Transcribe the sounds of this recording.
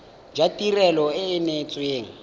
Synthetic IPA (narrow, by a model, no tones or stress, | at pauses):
d͡ʒatʼirɛlɔɪːnet͡sʼweːŋ̩